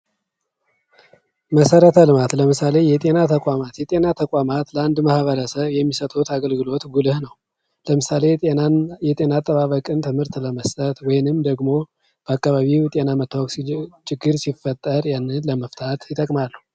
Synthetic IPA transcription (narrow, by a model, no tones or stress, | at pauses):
məsəɾət̪ʰəlɨmat̪ləmɨsale̞jɛt̪ʼe̞nat̪ʰəkʼamat̪jɛt̪ʼe̞nat̪ʰəkʷʼamat̪ləand̪mahβəɾəsəβjɛmːisət̪ʼut̪aɡəlɡɨlo̞t̪ɡulɨhnəw | ləmɨsale̞jɛt̪ʼe̞nat̪ʼːəβaβəkʼɨnt̪ʰɨmhɨɾt̪ləməst̪ʼət̪wɔjɪnɨmd̪əɡmo̞ | b̥əakʼːaβaβit̪ʼe̞namət̪ʰːawoksit͡ʃʼɪɡːɨɾsifːət̪ʼːəɾjanːɨnləməft̪ʰat̪jɪt̪ʼəkʼmalːəhu